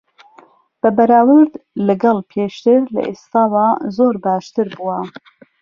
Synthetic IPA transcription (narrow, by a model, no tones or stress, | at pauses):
b̥ɨbɐɾaːwɨɾd̪lɨɡɑlpʰeːʃt̪ɨɾlɐ̰ʔeːst̪ɑːwɑːzoːɾbɑːʃt̪ɨɾbuwɐ